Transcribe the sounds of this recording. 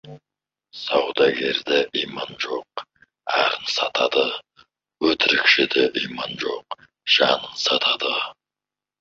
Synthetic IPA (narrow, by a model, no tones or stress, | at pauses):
sɑwd̪ɑɡʲe̞ɾd̪eʔijmɑnʒo̞q̚ | æɾənsɑt̪ɑd̪ə | wɵt̪ʰɪɾɪkʃɪd̪eʔijmɑnʒo̞q | ʒ̥ɑnənsɑt̪ʰɑd̪ə